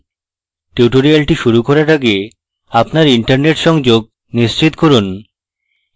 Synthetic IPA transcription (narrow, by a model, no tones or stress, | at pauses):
ʈiuʈoɾialʈiʃuɾukoɾaɾaɡe | apnaɾiɳʈaɾneʈʃɔŋd͡ʑoɡ̚ | niʃt͡ɕit̪koɾun